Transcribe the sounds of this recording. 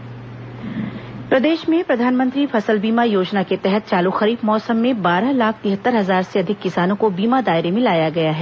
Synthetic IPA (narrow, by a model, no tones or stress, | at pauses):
pɾɐd̪eːʃmẽpɾɐd̪ʱaːnmə̃nt̪ɾifʰɐsəlbiːmajoːd͡ʒnaket̪ɛɦət̪̚t͡ʃaːloxɐɾiːbmɔːsəmːẽbaːɾalaːk̚ʰt̪ɪɦət̪ːəɾɦɐzaːɾseɐd̪ʱɪkːɪsaːnõkobiːmad̪aːɪɾemɪ̃laːjaɡɐjaɦɛː